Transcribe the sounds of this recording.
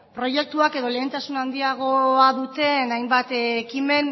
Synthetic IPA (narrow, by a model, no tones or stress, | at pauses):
pɾo̞je̞k̚t̪uake̞ðo̞le̞ːnt̪asunand̪iaɣ̞o̞aðut̪e̞najmbat̪ːkime̞n